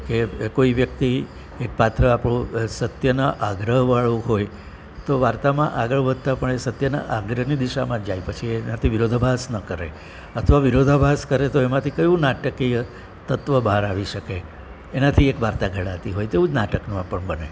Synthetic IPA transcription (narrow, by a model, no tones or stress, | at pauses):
kekoiʋjəkt̪i | ek̚pat̪ɾəapɽũsət̪jənaʔaɡɾəɦʋaɭũɦoj | t̪oʋaɾt̪amã̰ʔaɡəɭbəd̪̚ʱt̪apəɳesət̪jəna̰ʔaɡɾənid̪iʃamãd͡ʒajpət͡ʃʰienat̪ʰiʋiɾod̪ʱbʱasnəkəɾḛ | ət̪ʰʋaʋiɾod̪ʱəbʱaskəɾet̪oemãt̪ʰikəjʋũnaʈəkiə | t̪ət̪ʋəbʱaɾaʋiʃəkeː | nat̪ʰiekʋaɾt̪aɡʱəɭat̪iɦojt̪eũd͡ʒnaʈəknũãpəɳbəne